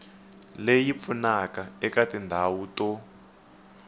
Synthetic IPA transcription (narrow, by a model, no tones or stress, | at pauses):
lejip̪funakaɛkatindʱawutɔ